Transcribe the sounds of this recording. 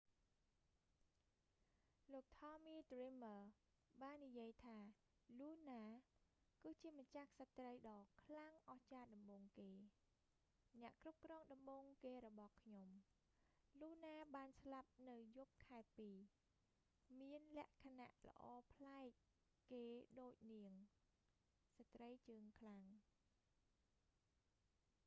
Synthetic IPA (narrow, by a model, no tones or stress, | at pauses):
loːk̚t̪ʰɑːmiːt̪riməː | ɓaːnːijiəjt̪ʰaː | luːnaː | kɨːt͡ɕiəmat͡ɕahsat̪rəjɗɑːkʰlaŋʔɑht͡ɕaːɗɑmɓoːŋkeː | nɛ̆əʔkrup̚krɔːŋɗɑmɓoːŋkeːɾɔɓɑhkʰɲom | luːnaːɓaːnslap̚nɨwjup̚kʰaɛpiː | miənlɛ̆əʔkʰana̰ʔlə̆ʔɑːpʰlaɛk̚ | keːɗoːc̚niəŋ | sat̪rəjt͡ɕəːŋkʰlaŋ